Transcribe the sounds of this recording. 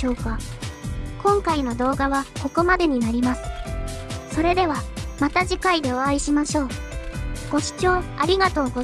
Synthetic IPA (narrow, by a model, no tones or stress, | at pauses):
oːka | kõ̞ŋkaino̞d̪o̞ːɡaβako̞ko̞mad̪e̞ɲ̟inaɾʲimasɨ̥ | so̞ɾe̞d̪e̞β̞amat̪aʑikaid̪e̞oaiɕimaɕo̞ː | ɡ̥o̞ɕi̥t͡ɕo̞ːaɾʲiɡat̪o̞ːɡo